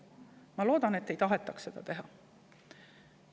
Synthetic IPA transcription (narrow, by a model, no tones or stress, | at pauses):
mɑlo̞ːd̪̥ɑne̞t̪ːe̞jt̪ɑɦet̪ːˑɑkse̞d̪̥ɑ̰t̪e̞ɦɑ